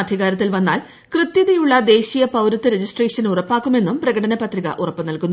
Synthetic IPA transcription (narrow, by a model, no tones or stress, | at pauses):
d̪ʱiɣaːɾɐt̪ːilʋɐnːa̰ːl | krɨt̪jɐðɐjuɭːɐd̪e̞ːɕijɐpɐwɾɐt̪ːɨɾed͡ʑisʈreːʂɐnurɐpːaːkːume̞nːumprɐɣɐɽɐnɐpɐt̪riɣɐ̰ʔurɐpːɨnɐlkunː